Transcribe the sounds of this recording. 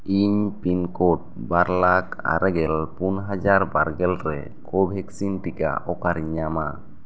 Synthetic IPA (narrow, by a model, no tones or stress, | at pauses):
iɲpinkɔʈ̚ | baɾlaka̰ɾɛɡɛlpunɦad͡ʒaɾbaɾɡɛlɾɛ̰ | kʰɔbʱɛk̚sinʈika̰ʔɔkaɾiɲːama